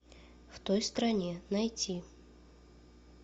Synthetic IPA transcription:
ft̪ojst̪ɾɐnʲenɐjtʲi

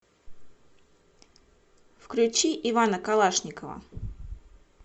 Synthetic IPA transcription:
fklʲʉt͡ɕiʔɪvanəkalˠaʂnʲɪkəvə̰

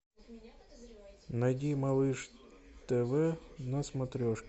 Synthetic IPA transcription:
nɐjd̪ʲimɐlˠɨʂt̪ɛʋɛnɐsmɐt̪ɾʲɔʃ

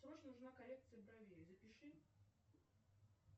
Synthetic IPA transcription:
sɾot͡ɕnʊʐnakɐlʲek̚t̪sɨjəbɾɐvʲezəpʲɪʂɨ

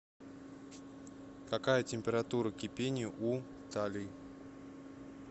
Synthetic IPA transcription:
kakajətʲɪmʲpʲɪɾat̪uɾəkʲɪpʲenʲɪjʊʔu | t̪alʲɪ

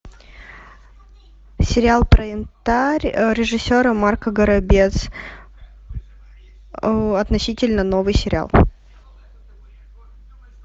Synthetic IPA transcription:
sʲɪɾʲɪalˠpɾəɪnt̪aɾʲɾʲɪʐɨsʲːoɾəmarkəɡəɾɐbʲet̪s | ɐt̪nɐsʲitʲɪlʲnəno̞vɨjsʲɪɾʲɪa̰lˠ

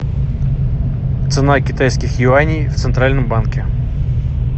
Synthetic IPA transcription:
t̪sɨnakʲɪt̪ajskʲɪxjɪanʲɪjft̪sɨnt̪ɾalʲnəmbankʲɪ

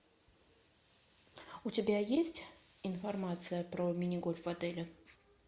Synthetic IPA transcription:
utʲɪbʲajesʲtʲinfɐrmat̪sɨjəpɾɔmʲinʲɪɡɔlʲvad̪ɛlʲə

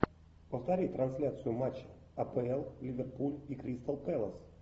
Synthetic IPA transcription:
pəft̪ɐɾʲijt̪ɾɐnsʲlʲat̪sɨjʊmat͡ɕːɪ̥ | ɐpəɛlˠlʲɪvʲerpulʲikɾʲist̪əlˠpɛlˠəs

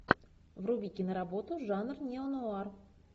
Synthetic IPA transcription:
vrʊbʲikʲɪnəɾabo̞t̪ʊʐanrnʲeonoar

